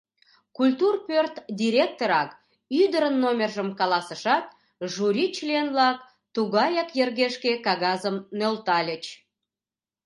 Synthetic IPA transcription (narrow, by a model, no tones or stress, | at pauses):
kulʲt̪urpørt̪d̪ʲiɾʲek̚t̪oɾɑk | yd̪əɾənːomʲerʒəmkɑlɑsəʃɑt̪̚ | ʒuɾʲit͡ɕlienvlɑk | t̪uɣɑjɑkjərɣeʃkekɑɣɑzəmnølt̪ɑlʲə̆t͡ɕ